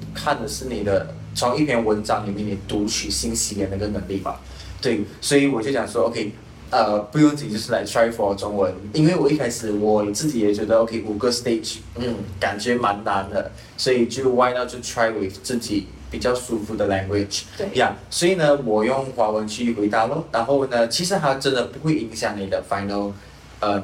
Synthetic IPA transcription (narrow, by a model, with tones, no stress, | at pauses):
kʰa˥˩nd̪ə˩ʂɻ̩˥˩ni˨˩d̪ə˦ | t͡sʰʊ˧˥ŋi˥˩pʰjɛ˧˥nwə˧˥nʈ͡ʂɑ˧˥ŋni˨˩kni˨˩t̪u˧˥t͡ɕʰy˨˩ɕi˥nɕi˧˥jɛ˧˥nd̪ə˧˥ɡə˧˩nə˧˥ŋli˥˩ma̰˨˩ | t̪we˥˩ɪswɔ˧˥i˨wɔ˨˩t͡ɕjo˥˩ɕjɑ˨˩ŋswɔ˥o˧ʊkʰe˥˩ɪ | ə˧pu˧˥˧jŋt͡sɹ̩˥˩t͡ɕt͡ɕo˥˧ʊʂɻ̩˥˩la˧˥ɪʈ͡ʂʰɹa˥fɔ˧˩˧ʈ͡ʂʊ˥ŋwə˧˦ni˥nwe˥˩ɪwɔ˨˩i˥˩kʰa˥ɪʂɹ̩˨˩wɔ˨˩n˨˩t͡sɹ̩˥˩t͡ɕi˨˩jɛ˨˩t͡ɕɥɛ˧˥d̪ə˧o˧kʰe˥ɪʔu˨˩ɡə˥˧st̪e˥˩ɪʈ͡ʂ | m̩˥˩ka˨˩nt͡ɕɥɛ˧˥ma˧˥nna˧˦nd̪ə˧ | swɔ˧˥i˨˩t͡ɕjo˥˩wa˥ɪna˥˧t͡ɕʰo˥˩tʰɹa˥ɪwe˨˧˩t͡sɹ̩˥˩t͡ɕi˨˩˦ | pi˨˩t͡ɕjɑ˥˩ʊsu˥fu˧˥d̪ə˨la˥˧ŋɡwe˥˩ʈ͡ʂja˥˩swɔ˧˥i˨˩nə˧wɔ˨˩jʊ˥˩ŋxwa˧˥wə˧˦nt͡ɕʰy˥˩xwe˧˥ɪt̪a˥˧ʊlə˥˩na˧˥nxo˥˧ʊnə˩t͡ɕʰi˧˥ʂɻ̩˧˥ta˥ʈ͡ʂə˥nd̪ə˨˧pu˧˥xwe˥˩ɪi˧˥ŋɕjɑ˨˩ŋni˨˩d̪ə˦fa˧˥ɪnə˧˥l | ə˩